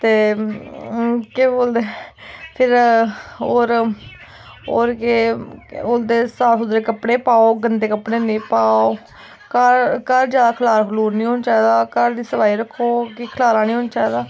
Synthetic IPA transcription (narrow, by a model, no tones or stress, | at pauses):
t̪eː | keːboːld̪eːpʰɪɾ | oːɾ | oːɾkeboːld̪eːsaːsʊd̪ɾeːkəpɽeːpaːoːɡənd̪eːkəpɽeːnĩːpaːoː | kəɾkəɾd͡ʒjaːd̪aːkʰəlaːɾkʰəluːɾnĩːɦoːnt͡ʃaːd̪aːkəɾd̪iːsəbaːiːɾəkʰːoːkiːkʰəlaːɾaːnĩːɦoːnt͡ʃaːeːd̪aː